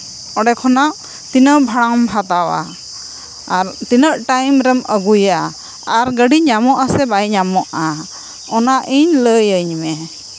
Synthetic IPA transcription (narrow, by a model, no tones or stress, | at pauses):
ɔɖɛkʰɔnaʔ | t̪inəbʱaɽ̃aŋmbʱat̪awa̰ | ɾt̪inəʔʈajmɾɛməɡuja | aɾɡəɖiɲamɔʔasɛbajɲamɔʔa | ɔnaʔiɲləjəɲmɛ